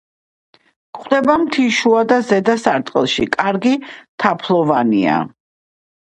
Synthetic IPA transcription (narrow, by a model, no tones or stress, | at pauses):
kʰʼχd̪ɛbamt̪ʰiʃuad̪azɛd̪asaɾt̪ʼqʼɛlˠʃḭkʼaɾɡit̪ʰapʰlˠɔvanḭa̰